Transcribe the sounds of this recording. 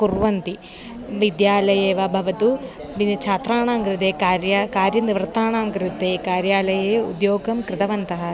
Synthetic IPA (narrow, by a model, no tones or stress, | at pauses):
kuɾʋɐnt̪i | ʋid̪jaːlɐjeːʋɐbʱɐʋɐt̪u | ʋinɐt͡ʃʰaːt̪ɾaːɳaːmkɾɨt̪eːkaːɾjakaːɾjɐnd̪iʋɾt̪aːɳaːmkɾit̪eːkaːɾjaːlɐjeːṵd̪joːɡɐmkɾɪt̪ɐʋɐnt̪ɐɦɐ